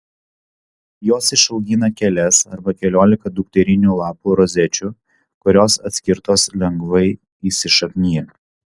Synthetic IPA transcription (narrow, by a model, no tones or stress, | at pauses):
joːsɪʃɐlˠɡʲiːnɐkʲɛlʲɛsɐ̰ɾbɐkʲɛlʲoːlʲɪkɐd̪ʊk̚t̪ʲɛɾʲɪnʲuːlˠɑːpuːɾɔzʲɛt͡ʃʲʊ | kʊɾʲoːsɐt̪ʲsʲkʲɪɾt̪oːslʲɛŋɡʋɐɪ | iːsʲɪʃɐknʲiː